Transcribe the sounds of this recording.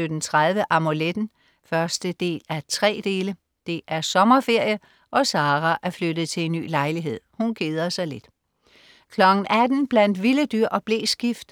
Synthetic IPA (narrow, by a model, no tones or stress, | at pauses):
ød̥n̩t͡sʰʁaðˠʋəʔɑ̈muled̥n̩ | fɶɐsd̥əd̥e̝̰ːlæt͡sʰʁɛ̰ːd̥e̝ːlə | d̥e̝ʔæɐsɒ̽mɐfe̝ɐ̰jə | ʔɒ̽sɑ̈ːʁɑʔæɐflød̥ð̩ˠt͡sʰe̝le̝nːy̰ːlɑ̈ɪliɦe̝ð̰ˠhunɡ̥eːð̞ˠɐsɑ̈ɪle̝d̥ | kʰlɒ̽ɡ̥n̩ʔæd̥n̩b̥læn̰d̥ʋiləd̥yɐ̰ʔɒ̽b̥le̝̰ːsɡ̥ifd̥